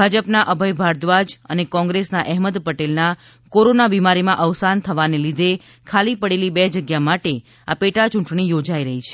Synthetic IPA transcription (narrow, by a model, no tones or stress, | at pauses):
bʱad͡ʒəpnaʔəbʱəjbʱaɾd̪ʋad͡ʒənekɔ̃ŋɡɾesnaʔɛɦməd̪pəʈelna | koɾonabimaɾimãʔəʋsant̪ʰəʋanelid̪ʱe | kʰalipəɽelibɛd͡ʒəɡjamaʈe | apeʈat͡ʃũɳʈɳ̃ijod͡ʒaiɾəɦit͡ʃʰe̥